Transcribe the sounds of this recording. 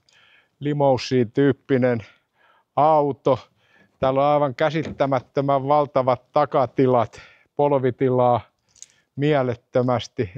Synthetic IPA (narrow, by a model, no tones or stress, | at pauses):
limousːˑiːt̪yːpːinen | ɑut̪o | t̪æːloɑiʋɑŋkæsit̪ːæmæt̪ːømæʋʋɑlt̪ɑʋɑt̪t̪ɑkɑt̪ilɑt̪ | polʋit̪ilɑː | miælet̪ːømæst̪i